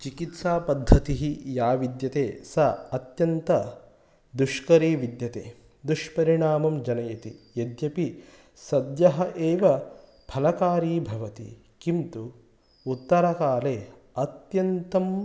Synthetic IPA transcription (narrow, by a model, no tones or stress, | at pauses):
t͡ʃikit̪saːpɐd̪ʱːɐt̪iɦijaːʋid̪jɐt̪eːsɐɐt̪jɐnt̪ɐ | d̪uʃkɐɾiːʋid̪jɐt̪eː | d̪uʂpɐɾiɳaːmɐmd͡ʒɐnɐjɐt̪ḭjed̪jɐpi | sɐd̪jɐɦɐʔeːʋɐ | bʱɐlɐkaːɾiːbʱɐʋɐt̪ḭ | kint̪uː | t̪ːɐɾɐkaːleː | ɐt̪jɐnt̪ɐm